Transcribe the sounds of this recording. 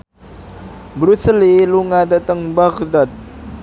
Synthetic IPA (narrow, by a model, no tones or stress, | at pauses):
bɾusəliluŋadat̪əŋbaɡd̪ad̪̚